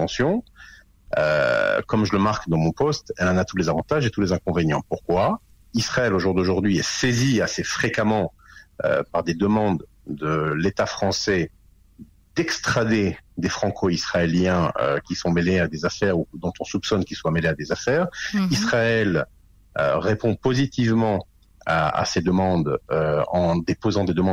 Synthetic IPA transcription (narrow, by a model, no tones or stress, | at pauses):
ɑ̃sjɔ̃ | ø̰kɔmʒələmaʁkd̪ɑ̃mɔ̃pɔst̪ɛlɑ̃nat̪ulezavɑ̃t̪aʒet̪ulezɛ̃kɔ̃veɲjɑ̃puʁkwa | isχaɛloʒuʁd̪oʒuʁd̪ɥiɛseziasefχekamɑ̃ | ø̰paʁd̪ed̪əmɑ̃d̪ | d̪əlet̪afχɑ̃sɛ | d̪ɛkst̪χad̪ed̪efχɑ̃kʰoisχaeljɛ̃ø̰kʲisɔ̃melead̪ezafɛʁud̪ɔ̃t̪ɔ̃supsɔnkʲilswamelead̪ezafɛːʁisχaɛl | ø̰ʁepɔ̃pozit̪ivmɑ̃ | aa̰sed̪əmɑ̃d̪øɑ̃d̪epozɑ̃d̪ed̪əmɑ̃